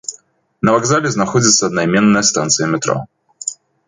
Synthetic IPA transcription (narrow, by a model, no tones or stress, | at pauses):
nəvaɡzalʲɪznɐxodʲɪt̪sɐːd̪nɐimʲenːəjəst̪ant̪sɨjəmʲɪt̪ɾo̰